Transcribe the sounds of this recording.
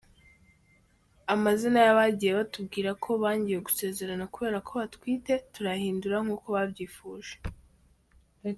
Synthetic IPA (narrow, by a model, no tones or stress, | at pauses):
amazinajaβaɟijeβatubɡiːɾakʰo̞βaːɲɟije̞ɡuse̞ːze̞ɾanakuβe̞ːɾakʰo̞βatwiːte̞tuɾahiːnduɾaŋ̥uːko̞βabɟiːfuːʒe̥